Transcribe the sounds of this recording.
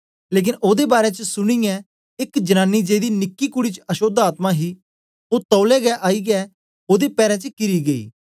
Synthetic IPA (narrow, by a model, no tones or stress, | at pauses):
leːk̬ɪnoːd̪ebaːɾɛt͡ʃəsʊɽ̃ijɛ̃ | ɪkd͡ʒɐnaːnːid͡ʒeːd̪inɪkːikʊɽit͡ʃəɐʃoːd̪aːt̪mãɦi | oːt̪ɔːlɛɡɛʔaːiːɡɛː | oːd̪epɛːɾɛ̃t͡ʃəkɪɾiɡəḭː